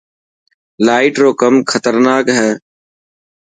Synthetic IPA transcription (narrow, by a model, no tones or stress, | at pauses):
laːɪʈɾoːkəmkʰət̪əɾnaːkɦɛː